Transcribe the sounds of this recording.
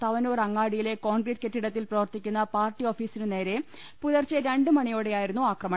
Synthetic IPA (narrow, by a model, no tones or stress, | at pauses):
t̪ɐʋɐnuːrɐŋːaːɽijile̞ko̞ːnɡriːʈ̚keʈːiɽɐt̪ːilprɐʋɐrt̪ikʲːunːɐpaːrʈːio̞ːfiːsinɨne̞ːɾe̞ | puðɐrt͡ɕːɨɾe̞ɳɖɨmɐɳijoːɽejaːjiɾunːuaːkrɐmɐ